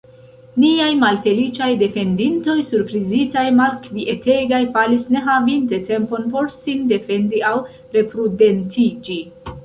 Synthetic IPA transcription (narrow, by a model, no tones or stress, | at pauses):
niajmalfe̞lit͡ʃajde̞fe̞ndinto̞jsuɾpɾizitajmalkviʔe̞te̞ɡajfalisne̞ɦavinte̞te̞mpo̞npo̞ɾsinde̞fe̞ndiaw | ɾe̞pɾude̞ntid͡ʒi